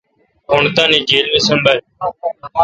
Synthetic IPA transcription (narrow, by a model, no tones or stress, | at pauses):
ʊɳt̪ãːneːd͡ʒeːlʋeːsəmbəɾ